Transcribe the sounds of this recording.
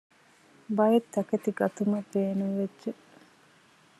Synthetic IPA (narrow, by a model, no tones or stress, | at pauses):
bɐjet̪ːɐket̪iɡɐt̪umɐb̥eːnuŋʋedːʒe